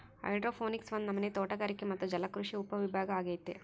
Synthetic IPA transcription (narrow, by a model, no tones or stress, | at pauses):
ɐ̰jɖɾoːpʰoːniksʋɐnːunɐmːɐne̞ːt̪oːʈɐɡaːɾikːemɐt̪ːud͡ʒɐlɐkɾuʂiupːɐʋibʱaːɡɐaːɡeːjit̪ːe